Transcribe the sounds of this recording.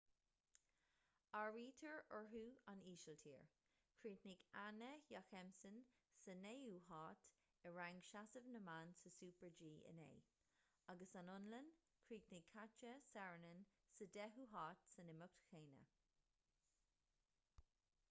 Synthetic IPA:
aɹiːtʰəɹəɹɦuaniːʃəltʰḭːɹ | kʰɹiːtnɪɡanəjaxɛmsənsəneːuːɦɑːt | əɹaŋʃasəvnəmansəsuːpəɹd͡ʒiːə̰nḛː | aɡəsanʊnlən | kʰɹiːt̪nɪɡ̚kʰat͡ʃəsɛɹnən | sədɛɦuːɦɑːtsənɪmʊk̚tʰxeːnə̰

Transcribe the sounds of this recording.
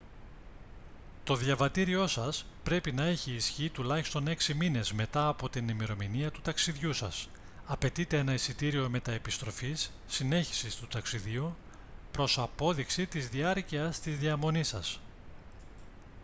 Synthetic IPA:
t̪o̞ðjɐvɐt̪iɾio̞sɐspɾe̞pinɐe̞çiːsçit̪ulɐçi̥st̪o̞ne̞ksimine̞zme̞t̪ɐːpo̞t̪inimiɾo̞miniɐt̪u̥t̪ɐksiðʝusɐ̰s | ɐpe̞t̪it̪e̞enɐisit̪iɾio̞me̞t̪ɐepist̪ɾo̞fisːine̞çi̥sist̪ut̪ɐksiðiu | pɾo̞sɐpo̞ðiksit̪izðiɐɾciɐst̪izðiɐmo̞nisɐ̰s

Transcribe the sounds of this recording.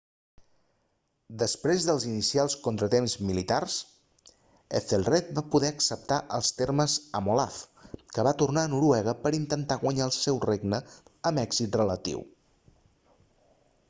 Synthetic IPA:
d̪əspɾezðəlˠzinisialˠskont̪ɾət̪emzmilit̪ars | əfelˠrɛt̪̚bapuðɛəksəp̚t̪aʔəlˠst̪eɾməzəmolaf | kəβat̪urnaənuɾuɛɣ̞əpəɾint̪ənt̪aɣwəɲaəlˠsɛwreɡnəəmɛɡz̥it̪rələt̪ḭw

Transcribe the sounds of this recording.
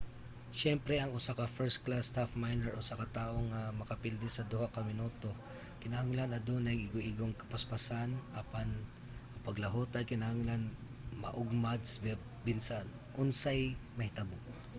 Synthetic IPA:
ʃɛmpɾɛɐŋʊsakɐfɛɹsklast̪hafmajlɛɹʔʊsakɐt̪aːʔoŋɐmɐkɐpɪld̪ɛsɐd̪uhakɐmɪnut̪o̞ | kɪnɐhaŋlanɐd̪onɐŋʔɪɡoʔɪɡoŋkɐ̥pɐspɐsanʔapan | ɐpɐɡlɐɦoːt̪ɐjkɪnɐhaŋlanmɐ̰ʔʊɡ̚mad̪sb | bɪnsan | ʔʊnsajmɐhɪt̪ɐbʊ

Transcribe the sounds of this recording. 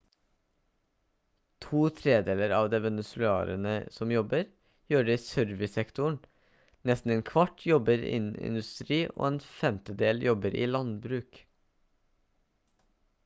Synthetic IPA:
t̪ʰuːt̪ʰɾeːd̪eːləɾɑːʋd̪eːʋɛnəsʉl̩ʉɑ̰ːɾə̰nəsɔmjɔbəɾ | jøːɖeːiːsœɾʋɪsɛkt̪ʊɳ | nɛst̪n̩eːnkʰʋɑʈʰjɔbəɾḭnnɪ̰nʉst̪ɾiːʔo̰ːeːnfɛmt̪əd̪eːljɔbəɾḭːlɑnd̪bɾʉːk

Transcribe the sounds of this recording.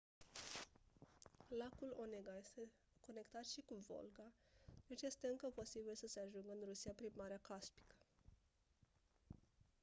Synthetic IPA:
lakulo̞neɡaje̞st̪e̞ | ko̞ne̞kt̪at̪ʃikuvo̞̰lɡad̪̥et͡ʃje̞st̪e̞ɨŋkəpo̞sibilsəse̞aʒuŋɡəɨnrusiapɾimaɾeakaspi̥kə̥

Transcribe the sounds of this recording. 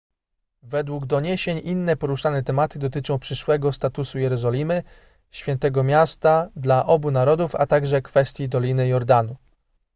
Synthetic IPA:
vɛd̪wuɡd̪ɔɲeɕeɲʔinːɛpɔɾuʂanɛt̪ɛmat̪ɘd̪ɔt̪ɘt͡ʂɔ̃w̃pʂɘʂwɛɡɔst̪at̪usujɛɾɔzɔlʲimɘ | ɕfʲjɛnt̪ɛɡɔmʲjast̪ad̪laʔɔbunaɾɔd̪ufa̰t̪aɡʐɛkfɛst̪ʲjid̪ɔlʲinɘjɔɾd̪anu

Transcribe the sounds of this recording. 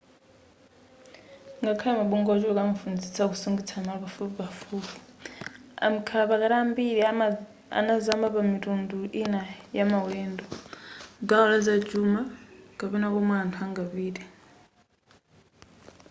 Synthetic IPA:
ŋɡakʰajɛmaɓuŋɡɔt͡ʃulɔkamufund͡zisakusuŋɡit͡sʰanaβafukafuːfu̥ | a̰m̩kʰapakaɾaːmbiɾi | a̰nazambapamitʼunduʔinajamawɛːndɔ | ɡaɔlazad͡ʒumakapɛnakɔmaːntʰuaŋɡaβiːdɛ

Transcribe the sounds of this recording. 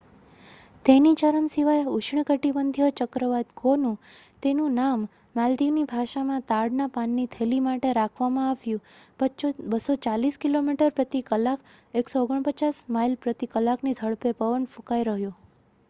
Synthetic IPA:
t̪enit͡ʃəɾəmsiʋajeut͡ʃʰɳəkəʈibənd̪ʱijot͡ʃəkɾəʋat̪ɡonũ | t̪enũnamː | ald̪inibʱaʃamãt̪aɽnapanːit̪ʰelimaʈeɾakʰʋamãaʋjũbət͡ʃobəsot͡ʃaliskilomiʈəɾpɾət̪ikəlak | eksooɡəɳ̃pət͡ʃasmailpɾət̪ikəlaknisəɭpepəʋənfũkajɾəɦjo

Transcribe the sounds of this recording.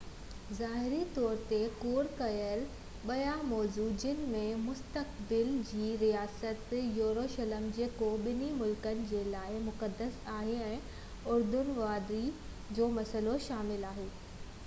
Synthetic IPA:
zaːɦɪɾit̪ɔːɾt̪ekoːɾkɐjəɾ | ɓɐjamɔːzuːd͡ʑɪnɪ̆mẽmʊst̪ək̚bɪld͡ʑiːɾijaːsət̪joːɾoːʃələmd͡ʑeːkoɓɪnimʊlkənɪ̆d͡ʑeːlaːɪmʊkəd̪ːəsaːɦeɛ̃ː | ʊɾd̪ʊnʋaːd̪ɾi | d͡ʑoːmɐsəloʃaːmɪlaːɦeː

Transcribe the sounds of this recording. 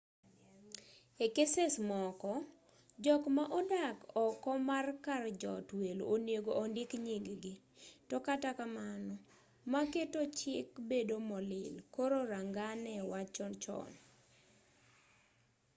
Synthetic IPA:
ekesesmɔkɔ | d͡ʒɔkmaʔɔdakɔkɔmarkard͡ʒɔ̰tweloneɡoʔondɪkɲiŋɡɡɪ | tɔkatakamanɔ | maketot͡ʃɪkbedomɔlɪ̰lkoɾoɾaŋɡanɛwat͡ʃɔnt͡ʃɔ̰n

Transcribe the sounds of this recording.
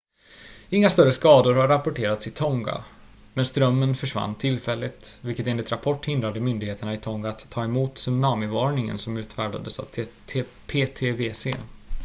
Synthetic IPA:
ɪŋːast̪œɾəskɑːd̪ʊɾhaɾapʊʈʰeːɾat̪sɪt̪ʰɔŋɡa̰ | mɛnst̪ɾœmːənfœʂva̰nːt̪ʰɪlfɛlːɪt̪vɪlkət̪eːnlɪt̪ɾapʰɔʈːhɪnd̪ɾad̪əmʏnd̪ɪɡheːt̪əɳaɪt̪ʰɔŋɡaat̪ʰːɑːɛmuːt̪sʏmnɑːmɪvɑːɳɪŋə̰nsɔmʉ̟ːt̪fæːɖa̰d̪əsa̰vʰ | pʰeːt̪ʰeːveːsḛː

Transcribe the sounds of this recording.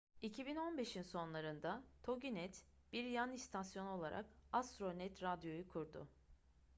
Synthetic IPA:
icʰibino̞nbe̞ʃinso̞nlˠaɾɯnd̪at̪ʰo̞ɟinɛt̪ | b̥iɾjanist̪ʰasjo̞no̞lˠaɾʔa̰kast̪ɾo̞nɛt̪ɾad̪jo̞jukʰuɾd̪ʊ̰

